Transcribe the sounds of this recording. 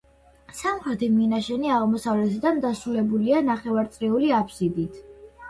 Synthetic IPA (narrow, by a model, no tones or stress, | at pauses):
samχɾɛt̪ʰiminaʃɛniaʁmɔsavlɛt̪ʰd̪amd̪asɾulɛbulianaχɛvaɾt̪sʼɾiuliapʰsid̪it̪ʰ